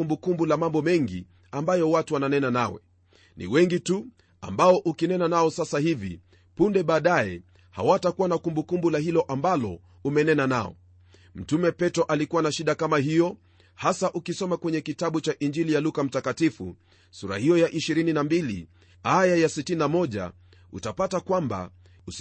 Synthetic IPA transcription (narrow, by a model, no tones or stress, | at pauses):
umbukumbulamambɔmɛŋɡi | ambajɔwatuwananɛnanawɛ̰ | nḭwɛŋɡitu | a̰mbaɔʔukinɛnanaɔsasahivḭ | pundɛɓaːɗaɛ̰ | ha̰watakuwanakumbukumbulahilɔʔambalɔ̰ | umɛnɛnana̰ɔ̰ | m̩tumɛpɛtɔʔalikuwanaʃiɗakamaɦijɔ | hasaʔukisɔmakwɛɲɛkitaɓut͡ʃaʔind͡ʒilijalukam̩takatifṵ | suɾa̰hijɔjaʔiʃiɾininambilḭ | ajajasitininamɔʄa̰ | ṵtapatakwamba̰ | u